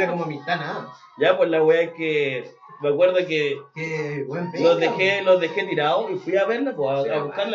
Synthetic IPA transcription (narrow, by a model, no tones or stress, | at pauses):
akomamĩt̪ana | ʝap̬welaɣweake | meakwe̞ɾðokekeβwemloðexelozðexet̪iɾaoifwiaβeɾlapoaaβuhkaɾl